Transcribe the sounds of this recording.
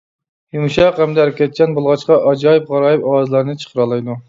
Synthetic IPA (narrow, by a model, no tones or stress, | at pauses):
jumʃɑqhɛmd̪ɛæɾɪkʲɛt̪̚kʲɛnbolˠʁɑt͡ʃqɑʔɑd͡ʒɑːjɨp̚ʁɑɾɑːjɨpɑwɑzɨlˠɑɾnɨt͡ʃʰə̥qʰəɾɑlˠɑjd̪u